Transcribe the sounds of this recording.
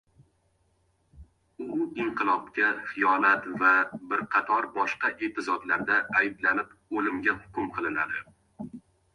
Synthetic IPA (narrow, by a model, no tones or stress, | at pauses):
ʊɪɴqʰɨlˠɒpkʲaχɪjɒlat̪vabɪɾqʰɑt̪ʰɒɾbɒʃqɑʔet̪ɪzɒd̪laɾd̪aːjblanɪpolɪmɡʲahʊ̥kʲʊmqʰɨlˠɪna̰d̪ɪ